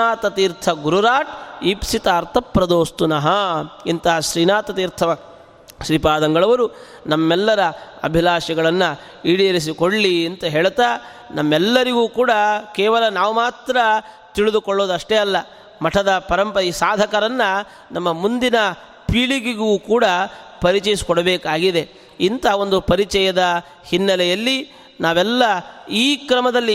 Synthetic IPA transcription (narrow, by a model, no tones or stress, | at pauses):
aːt̪ɐt̪iːɾt̪ʰɐɡuɾuɾaːʈiːpsit̪ɐːɾt̪ʰɐpɾɐd̪oːst̪unɐɦɐint̪ɐɦɐʃɾiːnaːt̪ɐt̪iːɾt̪ʰɐʋɐ | ʃɾipaːd̪ɐŋɡɐɭɐʋɐɾu | nɐmːɛlːɐɾɐɐ̰bʱilaːʃɐɡɐɭɐnːɐ | iːɽijɐɾis̬ikoɽlient̪ɐɦeːɭt̪aː | nɐmːɛlːɐɾiɡuːkuːɽɐkɛːʋɐlɐnaːʋumaːt̪ɾɐ | t̪iɭid̪ukɔɭːo̞ːd̪ɐʂʈeɐlːɐ | mɐʈʰɐd̪ɐpɐɾɐmpɐɾisaːd̪ʱɐkɐɾɐnːɐ | nɐmːɐmund̪inɐ | piːɭiɡiɡuːkuːɽɐpɐɾit͡ʃɛjisi̥kɔɽɐbeːkaːɡid̪e̞ | int̪ɐːo̞nd̪upɐɾit͡ʃɛjɐd̪ɐ | hinːɐlɛjɐlːi | naːʋɛlːɐiːkɾɐmɐd̪ɐlːi